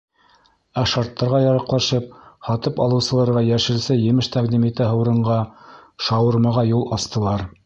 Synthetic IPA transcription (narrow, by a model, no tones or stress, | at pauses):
æʃɑɾt̪ːɑɾʁɑjɑɾɑqlˠɑʃɤp̚hɑt̪ɤpɑlˠɤ̆wsɤ̆lˠɑɾʁɑjæʃɘ̆ɾsɘjɘ̆mɘʃt̪ɑqd̪imit̪ɘɦɤ̆wɾɤ̆ɴɢɑʃɑwɤ̆ɾmɑʁɑjulˠɑst̪ɤ̆lˠɑɾ